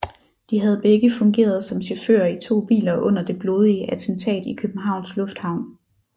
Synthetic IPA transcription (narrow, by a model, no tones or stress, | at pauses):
d̥iɦæð̞̩ˠb̥eɡ̥əfɔ̽ŋɡ̥e̝̰ːɐð̞ˠsɒ̽mɕɔfø̰ːɐit͡sʰo̝̰ːb̥ḭːlɐʔɔ̽n̰ɐd̥e̝b̥loːð̞ˠiəʔæt͡sʰent͡sʰɛ̰ːd̥ikʰøb̥n̩ɦɑ̈ʊnslɔ̽fd̥hɑ̈ʊ̰n